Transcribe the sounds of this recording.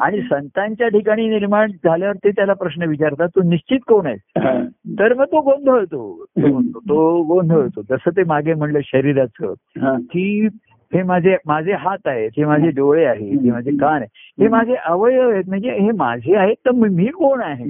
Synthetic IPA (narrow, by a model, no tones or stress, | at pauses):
aɽ̃isənt̪ãɲt͡ɕjaʈikaɽ̃iːniɾmaɳd͡zʱaljaʋəɾt̪et̪jalapɾəɕnəʋit͡ɕaɾt̪at̪ːoniɕt͡ɕit̪koɳajsɦat̪əɾməɡ̚t̪oɡond̪ʱəɦot̪ot̪oot̪oɡõnd̪ʱəɦot̪od͡zəsət̪̬emaɡem̤əɳləɕəɾiɾat͡sə̰ːt̪iː | hemad͡zʱemad͡zʱeɦat̪aɦet̪emad͡zʱeɖoʋɭeaɦeemad͡zʱekaneɦemad͡zʱeʔəʋəjəojet̪̚m̤əɳd͡zeɦema̰d͡zʱeaɦet̪ːəmmiːkoɳaɦe